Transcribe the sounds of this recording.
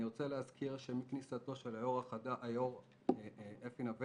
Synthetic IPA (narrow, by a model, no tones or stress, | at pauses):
iʁot͡seleazkʰiʁʃemiknisat̪o̞ʃelajoʁaχad̪aʔajoʁ | ʔefinave